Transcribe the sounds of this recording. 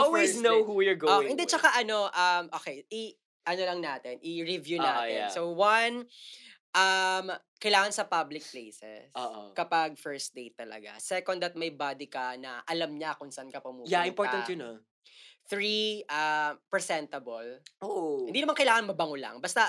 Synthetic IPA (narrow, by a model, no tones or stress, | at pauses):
ʔolwesnohujʊɹɡooɪnd̪ɛt͡ʃɐkaʔɐno̞ʔɐmʔoːkejɪ | ʔɐnolɐŋnaːt̪ɛnʔɪɹɪvjunaːsowan | ʔɐm | kɐjlaːŋɐnsɐpablɪk̚plejsɛ̰soʔo̰kɐpaɡ̚fɛɹst̪̚d̪ejt̪ːɐlɐ̰ɡa̰sɛkɔnd̪ɐt̪̚mɐjbad̪ɪkɐnɐ̰ʔɐlɐmɲakʊnsɐʔankɐpɐmuːjaɪ̃mpɔɹɐnjʊno | θɹiʔɐmpɹɛsɛnt̪ɐbolʔohɪnd̪inɐmankɐjlaːŋɐnmɐbɐŋʊlɐ̰ŋbɐst̪ɐ